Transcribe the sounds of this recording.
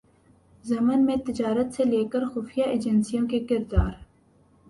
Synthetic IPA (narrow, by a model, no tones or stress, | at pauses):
zɐmənmẽt̪ɪd͡ʒaːɾət̪seleːkəɾxʊːfijaʔeːd͡ʒənsijõkekɪɾd̪aːɾ